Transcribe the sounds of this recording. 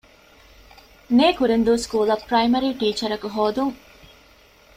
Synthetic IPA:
neːkuɾend̪uːskuːlɐpɾɐjmɐɾiːʈiːt͡ʃɐɾɐkuɦoːd̪uŋ

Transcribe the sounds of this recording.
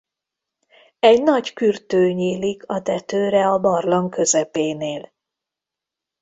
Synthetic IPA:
ɛɟnɒɟkyrt̪øːɲiːlikʰɒd̪ɛt̪øːɾɛɒbɒrloŋkø̞zɛpeːneːl

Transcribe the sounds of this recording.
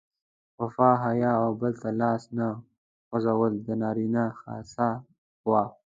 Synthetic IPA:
wafɑɦajɑawbəlt̪alɑːsna | ɣʊzawəld̪ənɑɾinaxɑ̰sa | wɑ

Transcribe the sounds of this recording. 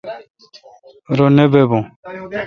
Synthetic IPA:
ɾɔnɛbɛbɔ̃

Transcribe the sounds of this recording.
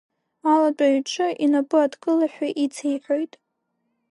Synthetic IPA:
alat͡ʃʼaɥʈ͡ʂʰɨʔinapʼɨadkʼɨlaħʷᶣaʔit͡sʰejħʷᶣojtʼ

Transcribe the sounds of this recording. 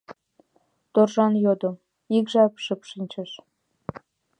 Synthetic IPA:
t̪orʒɑnjod̪ŏ | ikʒɑpʃɨpʃinʲt͡ɕɘ̆ʃ

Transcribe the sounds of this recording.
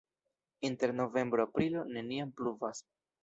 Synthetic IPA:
inte̞ɾno̞ve̞mbɾoapɾilo̞ne̞niampluvas

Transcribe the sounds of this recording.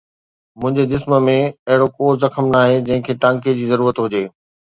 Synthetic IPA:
mʊ̃ɦɪ̃ɲd͡ʑed̪ɪsməmẽɐɦɪɽokoːɾzɐxəmnaːɦed͡ʑɐ̃ɦɪ̃kʰeːʈãːŋk̬ed͡ʑiːzɐɾuːɾət̪ɦʊd͡ʑeː

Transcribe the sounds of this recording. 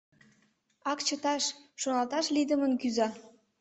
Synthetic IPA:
ɑkt͡ɕət̪ɑʃʃonɑlt̪ɑʃlid̪əmənkyzɑ

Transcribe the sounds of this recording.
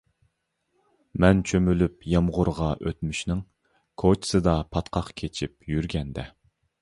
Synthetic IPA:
mɛnt͡ʃʰømylypjɑmʁʊɾʁɑʔøt̪myʃnɪŋ | kʰot͡ʃʰsɨd̪ɑpʰɑt̪qʰɑqkʲʰet͡ʃʰip̚jyɾɡʲɛnd̪ɛ

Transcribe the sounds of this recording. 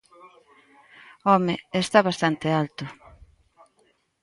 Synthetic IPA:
ɔmeest̪aβast̪ant̪ealt̪ʊ

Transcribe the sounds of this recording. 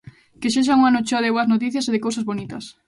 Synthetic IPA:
keʃeʃ̬auŋanot͡ʃoaðɪβoɐznot̪̬iθjɐseðɪkowsɐzβonit̪ɐs

